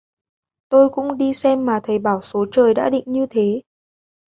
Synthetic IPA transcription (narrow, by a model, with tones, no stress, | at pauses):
t̪o˧jkʊ̰˧˥ŋ͡mɗi˧sɛ˧mːaː˨˩t̪ʰə˨˩jɓaː˧˩wso˨˦t͡ɕəː˨˩jɗa̰ː˧˥ɗḭ̈˧˨ŋ̟ɲɨ˧t̪ʰe˨˦